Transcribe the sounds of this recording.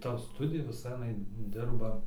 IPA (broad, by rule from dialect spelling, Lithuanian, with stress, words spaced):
ˈtɐ ˈstʊdʲɪjɛ ʋʲɪˈsɐ ɐˈnɐɪ ˈdʲɪrbɐ